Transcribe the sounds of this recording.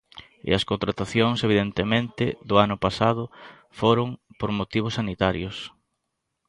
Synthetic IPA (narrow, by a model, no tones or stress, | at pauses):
ɪ̰ɐskont̪ɾat̪aθjoŋseβiðent̪emẽnt̪ɪðʊanʊpasaðʊ | foɾʊŋpoɾmot̪iβ̞ʊsːanit̪aɾjʊs